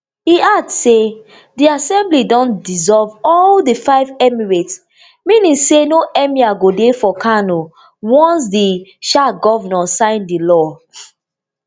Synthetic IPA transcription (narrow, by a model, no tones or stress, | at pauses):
iadse | diasɛ̃mblidɔ̃ndizɔlvɔldifaɪvɛmiɹets | mĩnĩŋsenoʔɛmiaɡodefɔkʰano | wɔ̃ns̬diʃaɡɔvɔnɔsãɪ̃ndilɔ